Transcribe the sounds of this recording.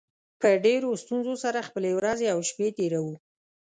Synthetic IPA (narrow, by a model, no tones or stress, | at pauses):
pəɖeɾost̪unzosaɾaxpəlewɾɑzeawʃpet̪eɾawu